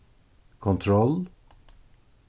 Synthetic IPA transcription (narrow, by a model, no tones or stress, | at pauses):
kʰɔnt̪ʰɾɔl